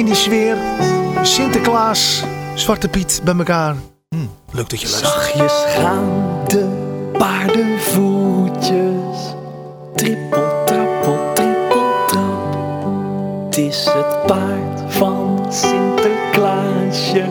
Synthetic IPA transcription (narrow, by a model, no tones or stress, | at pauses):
ɪndisʋɪːrsɪntəklaːssʋɑrtəpitbɛjməkaːr | m̩ | løɡ̚d̥ɔtjəlɛχjəsχaːndəpaːɹdəvucəs | tripəlˠtrɪpɔtripəlˠtəp | tɪsɦətpaːɹt | fɑn | sɪntəklasjə